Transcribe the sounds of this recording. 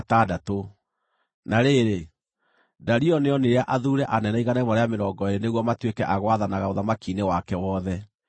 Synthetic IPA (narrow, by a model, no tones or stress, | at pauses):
tadato | naɾeɾe | daɾiɔneɔneɾeaʔaðuːɾɛʔanɛnaiɣanɛmɔɾeameɾɔːŋɡɔeɾeneɣwɔmatwekɛʔaɣwaðanaɣaoðamakiːnewakɛwɔðɛ